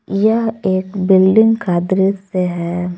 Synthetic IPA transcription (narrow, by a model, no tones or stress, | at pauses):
jɐɦeːkbɪlɖɪ̃ŋɡkaːd̪ɾet̪seɦɛː